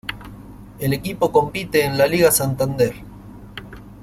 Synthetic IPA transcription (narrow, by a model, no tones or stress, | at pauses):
elekipo̞ko̞mpit̪eːnlaliɣasant̪and̪eɾ